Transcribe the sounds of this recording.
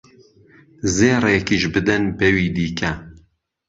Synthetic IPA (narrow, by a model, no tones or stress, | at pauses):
zeːrekiːʃbɨd̪ɨnbɛwiːd̪iːkʰɐ